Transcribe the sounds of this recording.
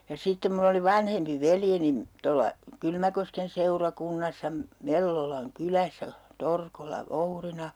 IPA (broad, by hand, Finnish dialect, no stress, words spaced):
jɑ sitːem mulː oli ʋɑnhempi ʋeljenin tolːɑ kylmækosken seurɑkunːɑsːɑ me melːolɑŋ kylæsæ torkolːɑ ʋourinɑ